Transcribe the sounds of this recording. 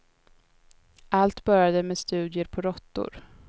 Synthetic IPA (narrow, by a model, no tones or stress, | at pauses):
ʔalt̪bœɾjad̪əmeːst̪ʉ̟ːd̪jəɾpʰɔɾɔt̪ːʊ̰ɾ